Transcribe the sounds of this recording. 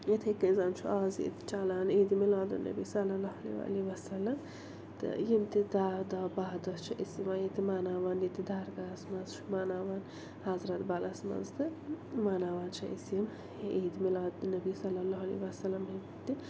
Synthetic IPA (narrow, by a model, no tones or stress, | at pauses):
jet̪ʰekizaːnt͡ʃʰuʔaːzḭt̪i̥t͡ʃaːlaːneːd̪imilaːd̪ɨ̰nːɐ̰bisɐlɐlaɦɐlḛwa̰liʋɐsɐlːɐm | t̪ɨ̰jimt̪id̪ad̪abaːd̪ɐt͡ʃʰɐʔisimajet̪imaːnaːʋaːnjit̪id̪aːɾɡasmɐzt͡ʃʰu̥maːnaːʋaːn | hɐzɾɐt̪bɐlɐsmɐ̰nzt̪ɨmaːnaːʋaːnt͡ʃʰɐʔḭsim | ʔeːd̪imilaːd̪nɐbisɐlːɐlaɦɐlḭʋɐsɐlɐmɦim | t̪i